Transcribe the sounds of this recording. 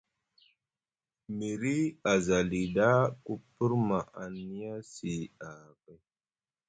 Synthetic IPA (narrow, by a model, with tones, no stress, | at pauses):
mi˨ɾi˦a˨za˨li˨da˦ku˦pi˦ɾma˨ʔa˨ni˦ja˦si˨a˨ka˦j